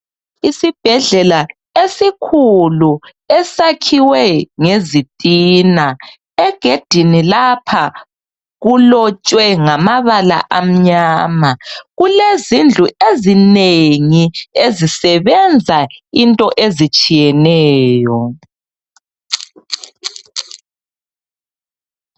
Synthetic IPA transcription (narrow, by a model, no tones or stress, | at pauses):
isib̥ʱɛɮɛla | esikʰulu | ɛsakʰiwɛŋezitʼiːna | ɛɡ̥ʱed̥ʱinilapʰa | ɣulɔt͡ʃʼwɛŋamaβala̰ʔam̩ɲaːmaɣulezind͡ɮʱuʔezineŋiezisɛβɛnd͡zʱaintʼɔʔezit͡ʃʼijɛnɛːjɔ